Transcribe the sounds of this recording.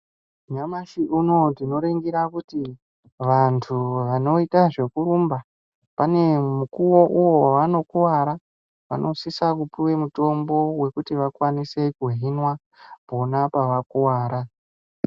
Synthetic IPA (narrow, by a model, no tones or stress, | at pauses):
ɲamaʃiʔuno̞tino̞ɾeŋɡiɾakuti | ʋantʰuʋano̞itaʐe̞kuɾumba | pane̞mukuwo̞ʔuwowano̞kuwaɾa | ʋa̰nʔo̞sisakupiwe̞muto̞mbo̞we̞kutiʋakwanise̞kuɦinwa | po̞napaʋakuwaːɾa